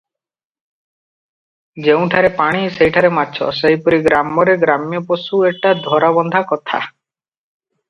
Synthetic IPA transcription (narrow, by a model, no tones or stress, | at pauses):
d͡ʒeũʈʰaɾepaɽ̃isejʈʰaɾemat͡ʃʰɔ̰seɦjpɔɾiɡɾamɔɾeɡɾamjɔposueʈad̪ʱɔɾaβɔnd̪ʱakɔt̪ʰa̰